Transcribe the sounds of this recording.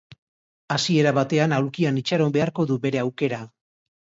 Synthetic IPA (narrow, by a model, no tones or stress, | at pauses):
asie̞ɾaβat̪e̞anawlkianit͡ʃaɾo̞mbe̞aɾko̞ðube̞ɾe̞awke̞ɾa